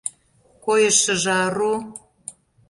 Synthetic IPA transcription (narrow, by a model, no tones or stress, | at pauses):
kojə̆ʃə̆ʒɑru